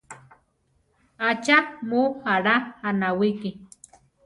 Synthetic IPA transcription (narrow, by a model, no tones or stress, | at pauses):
at͡ʃamuhaɾaanawiki